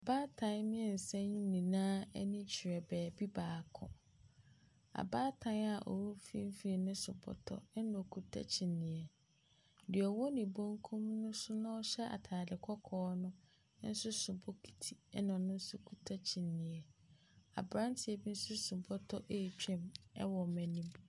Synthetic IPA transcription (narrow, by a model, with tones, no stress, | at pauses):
a˨baː˦tʰã˨nmĩ˦ɛ˨n̩˨sɛ̃˦ɲĩ˦nĩ˨nãː˦nĩ˦t͡ɕʰi˨ɾɛ˨bɛː˨bi˦baː˨kʰɔ̰̃˨ | a̰˨baː˦tʰã˨˦na˨ʔɔ̰˨wo˦fḭ˦m̩˦fi˦˨nʊ̃˦sʊ˨bɔ̰˦tʰɔ̰˨ɛ˦nɔ̃˨kʰu˦tʰa̰˦t͡ɕʰi˨nːĩ˨ɛ˨ | dɪ˨ɔ˨wɔ˦nĩ˨bõ˦ŋkʰũ˦mnʊ̃˦sʊ˦nʊ̃˦ɔ˦ɕɛ˦ʔa̰˨tʰaː˨dɪ˨kʰɔ˦kʰɔː˦nʊ̃˦ | n̩˦sʊ˦sʊ˨bo˦kʰi̥˨tʰi˨ɛ˦nɔ̃˨nʊ̃˦n̩˦sʊ˦kʰu˦tʰa˦t͡ɕʰi˨nːĩ˨ɛ˨ | a̰˨bɾã˦ntʰɪ˨ɛ˨bi˦n̩˦sʊ˦sʊ˨bɔ˦tʰɔ˦ʔe˦˨t͡ɕᶣɛ̃˦mɛ̰˦wɔ˨mɛ̃˨nĩ˦bi˦